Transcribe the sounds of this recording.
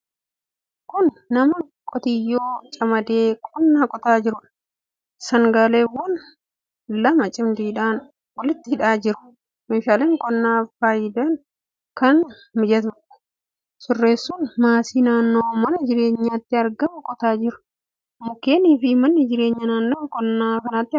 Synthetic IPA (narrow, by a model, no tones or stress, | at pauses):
kʊnːɐmɐ | kʼɔt̪ɪjːoːt͡ʃʼɐmɐd̪eːkʼɔnːaːkʼɔt̪aːd͡ʒɪɾʊᶑɐ̥ | sɐŋɡaːleːwɐn | lɐmɐt͡ʃʼɪmd̪ɪhɪᶑaːn | wɐlɪt̪ːɪhɪᶑaːd͡ʒɪɾʊ̥ | meːʃaːleːŋkʼɔnːaːfaːjɪd̪ɐn | kɐn | mɪd͡ʒɐt̪bɐʔɐ̥ | sʊrːe̞ːsːʊnmaːsiːnaːnːoːmɐnɐd͡ʒɪɾe̞ːɲːaːt̪ːɪɐɾɡɐmkʼɔt̪aːd͡ʒɪɾʊ̥ | mʊkːe̞ːniːfɪmɐnːɐd͡ʒɪɾe̞ːɲːɐnaːnːoːkʼɔnːaːkɐnaːt̪ːɪ